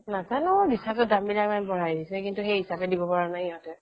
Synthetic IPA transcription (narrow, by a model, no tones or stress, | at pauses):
nazanʊbisatʊdamilakmanbɔɹajdisɛkintuxejɦisabɛdibɔpaɹanajɔtɛ